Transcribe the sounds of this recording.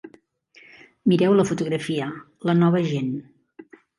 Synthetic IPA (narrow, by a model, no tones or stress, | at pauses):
miɾɛwləfut̪uɣɾəfiə | lənɔβ̞əʒen